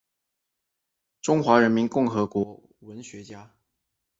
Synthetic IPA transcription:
ʈ͡ʂʊ˥ŋxwa˧˥ɻə˧˥nmi˧˥nkʊ˥˩ŋxɤ˧˥kwɔ˧˥˦ | wə˧˥nɕɥɛ˧˥t͡ɕja˥

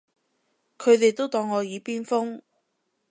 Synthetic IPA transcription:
kʰɵ˨˧ɥt̪e˨jt̪o˥wt̪ɔː˧ŋːɔː˨˧jiː˨˧piː˥nfʊ˥ŋ

